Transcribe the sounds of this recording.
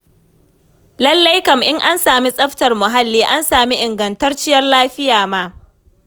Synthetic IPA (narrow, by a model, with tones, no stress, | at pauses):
lɐ˦lːɐ˦jkɐ˨mʔɪ˦ŋʔa˦nsaː˨mi˦sʼɐ˦ɸtɐ˨rmʊ˨ɦa˦lːiː˦ʔa˦nsaː˨mi˦ʔɪ˨ŋɡɐ˨ntɐ˦rt͡ʃɪ˦jɐ˦rlaː˦ɸɪ˦jaː˨maː˦